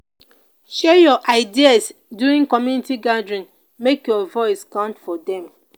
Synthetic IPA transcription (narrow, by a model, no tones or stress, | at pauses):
ʃɛjɔʔaɪdiasduɹĩŋkɔmjunitiɡadɹĩn | mekjɔvɔɪskãʊ̃ntfɔdɛ̃m